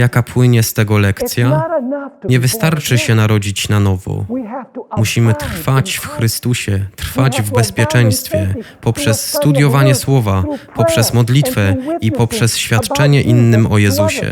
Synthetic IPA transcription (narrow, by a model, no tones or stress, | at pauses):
jakapʰwɘɲɛst̪ɛɡɔlɛkt̪sʲja | ɲɛvɘst̪aɾt͡ʂɘɕɛnaɾɔd͡ʑit͡ɕnanɔvɔ̰ | muɕimɘt̪fat͡ɕfxɾɘst̪uɕɛt̪ɾ̥fad͡ʑvbɛspʲjɛt͡ʂɛj̃st̪fʲjɛpɔpʂɛsːt̪ud̪jɔvaɲɛswɔvapɔpʂɛzmɔd̪lʲit̪fɛipɔpʂɛsɕfʲjat̪t͡ʂɛɲɛʔinːɘmɔjɛzuɕɛ̰